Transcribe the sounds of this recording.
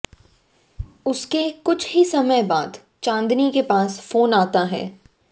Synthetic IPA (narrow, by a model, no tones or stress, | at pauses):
ʊskekʊt͡ʃʰɦisɐməjbaːd̪ | t͡ʃãːnd̪nikepaːsfoːnaːt̪aɦɛ̰ː